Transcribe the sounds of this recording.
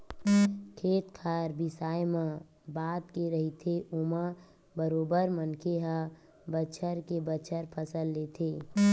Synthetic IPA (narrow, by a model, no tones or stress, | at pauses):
kʰeːt̪kʰaɾbɪsaːjmã | baːt̪keɾəɦit̪ʰeʔuma | bəɾoːbəɾmənkʰeɦə | bət͡ʃʰəɾkebət͡ʃʰəɾpʰəsəlːeːt̪ʰeː